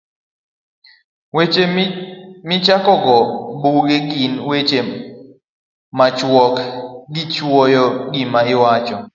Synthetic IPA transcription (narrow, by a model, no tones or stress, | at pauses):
wet͡ʃe | mɪt͡ʃakɔɡɔbuɡeɡinwet͡ʃe | mat͡ʃwɔkɡɪt͡ʃwɔjɔɡimaɪwat͡ʃɔ